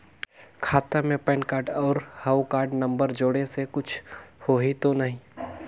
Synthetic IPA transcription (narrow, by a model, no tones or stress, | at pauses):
kʰaːt̪amẽpɛ̃ːnkaːɾɖɔːɾhawkaːɾɖnə̃mbəɾd͡ʒoːɽesekʊt͡ʃʰhoːɦit̪onɐɦĩː